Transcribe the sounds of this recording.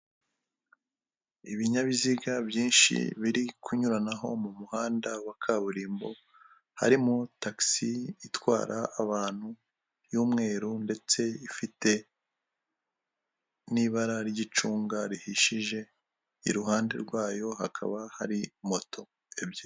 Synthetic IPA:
iβiɲaβiziɡabjiːnʃḭβiɾikʰuɲuɾanaɦo̞̰mumuhaːndawakʰaβuɾiːmbo̞ | ha̰ɾimutaksiitwa̰ːɾaːβaːn̥hu | juːmŋe̞ːɾunde̞t͡se̞ifite̞ | niβaɾaɾɟit͡ʃuːŋɡaɾihiʃiʒe̞ | ḭɾuɦaːnde̞̰ɾɡwaːjo̞ɦakʰa̰βahaɾimo̞tʰo̞ | ebje

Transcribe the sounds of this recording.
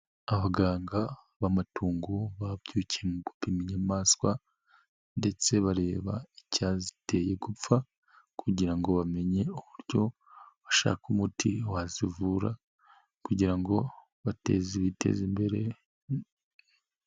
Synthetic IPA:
aβaɡaːŋɡa | βamatuːŋɡuβabjuːciemuɡupimiɲamaːskwa | nde̞t͡se̞βaɾe̞ːβa̰icazi̥te̞je̞ɡup͡fa | kuɟiɾaŋɡo̞βame̞ɲe̞uβuɾɟo̞ | βaʃa̰ːkumutʰiwazivuːɾa̰ | kuɟiɾaŋɡo̞ | βate̞̰ziβitʰḛzimbeɾe̞

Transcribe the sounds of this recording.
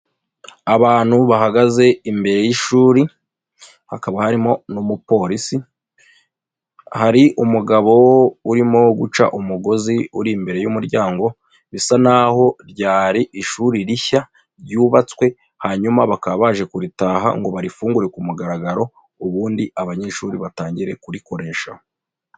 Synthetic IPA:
aβaːn̥huβaɦaɡaze̞imbe̞ɾe̞jiʃuːɾi | hakaβahaɾimo̞numupo̞ɾisi | haɾiʔumuɡaβo̞uɾimo̞ɡut͡ʃa̰ʔumuɡo̞ziuɾimbe̞ɾe̞jumuɾɟaːŋɡo̞ | βisanaho̞ɾɟaːɾiʔiʃuːɾiɾiça | ɾɟuːβat͡swe̞ | haɲumaβakaβaːʒe̞kuɾitaːɦa̰ŋɡo̞βaɾifuːŋɡuɾe̞kumuɡaɾaɡaɾo̞ | uβuːndiaβaɲe̞ːʃuːɾiβataːɲɟiɾe̞kuɾiko̞ɾe̞ːʃa̰ho

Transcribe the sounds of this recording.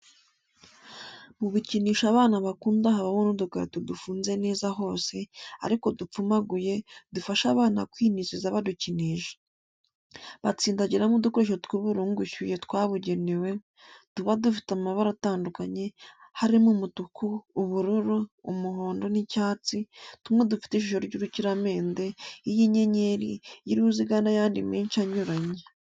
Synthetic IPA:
muβuciniːʃaβaːnaβakuːndaɦaβaβonodukaɾḛtodufuːnze̞ne̞ːzaɦo̞ːse̞a̰ɾiko̞dup͡fumaɡuje̞dufaʃaβaːna̰kwiːniʃizaβaduciniːʃḁ | βat͡siːndaɟiɾamudukoɾeʃtwiβuɾuːŋɡuçujetwaːβuɟe̞newe̞ | tuβadufi̥taumaβaɾataːndukaɲe̞haɾimumutukuːβuɾuɾoːmuɦo̞ːndo̞nicaːt͡situmŋe̞dufi̥teʃiʃo̞ɾɟuɾuciɾame̞ːnde̞ijiɲeɲe̞ɾijiɾiuziɡanajaːndimiːnʃaɲoɾaɲe

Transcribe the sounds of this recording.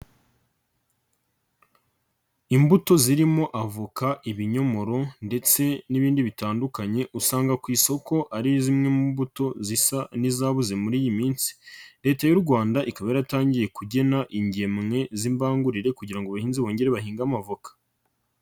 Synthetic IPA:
imbuto̞ziɾimo̞ʔavukaʔiβiɲo̞mo̞ɾo̞nde̞t͡se̞niβiːndiβitaːndukaɲe̞ʔusaːŋɡakwiːso̞ko̞ʔaɾijozimŋe̞mumbuto̞zisanizaβuze̞muɾiːjimiːnsi̥ɾe̞ːtajuɾɡwaːndaʔikaβajaɾataːɲɟije̞kuɟe̞naʔiɲɟe̞mŋe̞zimbaːŋɡuɾiɾe̞kuɟiɾaŋɡoβahiːnziβo̞ːɲɟe̞ɾeβahiːŋɡamavokḁ

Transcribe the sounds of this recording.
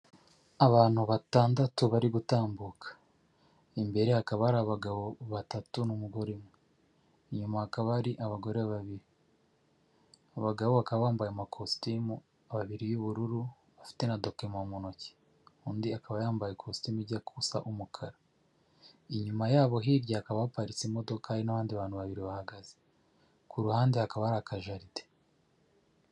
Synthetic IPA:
aβaːn̥huβataːndatuβaɾiɡutaːmbukʰḁ | imbe̞ɾe̞hakaβahaɾaβaɡaβoβatatunumuɡo̞ɾemwe | iɲumahakaβaɾiʔaβaɡo̞ɾeβaβiɾi | aβaɡaβoβakaβaβaːmbajamakʰostimu | aβaβiɾijuβuɾuɾu | βafi̥te̞nado̞kemamonoce̥ | uːndiakaβajaːmbajekʰostimiɾɟakʰusa̰ʔumukʰaɾa | iɲumajaːβo̞ɦiːɾɟahakaβaβapaɾit͡simodokʰainaβaːndiβaːn̥huβaβiɾiβahaɡaze | kʰuɾuhaːndehakaβaɾakʰaʒaɾite̥

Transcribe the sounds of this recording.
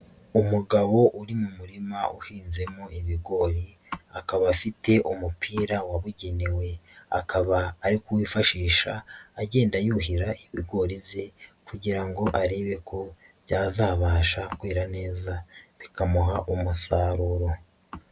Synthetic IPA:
umuɡaβo̞ʔuɾimumuɾimaʔuhiːnze̞moiβiɡo̞ɾi | akaβafitʰe̞ʔumupʰiːɾawaβuɟe̞newe̞a̰kʰaβaːɾikuwiːfaʃiːʃaːɟe̞ːndajuːɦiɾaiβiɡo̞ɾivje̞kuɟiɾaŋɡo̞ʔaɾeːβe̞kʰo̞ | βjaːzaːβaːʃakweːɾane̞ːzaβikamuɦaʔumusaːɾuɾo̞

